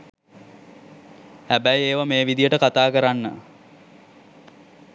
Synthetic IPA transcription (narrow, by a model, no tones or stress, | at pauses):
hæbæjeːʋameːʋid̪ijəʈəkat̪aːkəɾanːə̰